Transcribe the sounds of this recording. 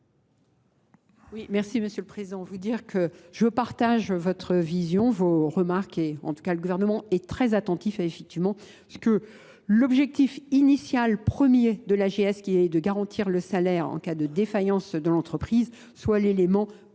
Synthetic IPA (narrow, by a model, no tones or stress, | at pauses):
wimɛʁsiməsjøləpχezid̪ɑ̃vud̪iʁkʰəʒ̥əpaʁt̪aʒvɔt̪χəvizjɔ̃voʁəmaʁkɛɑ̰̃t̪u̥kaləɡuvɛʁnəmɑ̃ɛt̪χɛzat̪ɑ̃t̪ifefɛk̚t̪ivmɑ̃ | sə̥kə | lɔbʒɛk̚t̪ifinisjalpχəmjed̪əlaʒeɛskʲiɛd̪əɡaʁɑ̃t̪ʰiʁləsalɛʁɑ̰̃kad̪əd̪efajɑ̃sd̪əlɑ̃t̪χəpχiz | swalelemɑ̃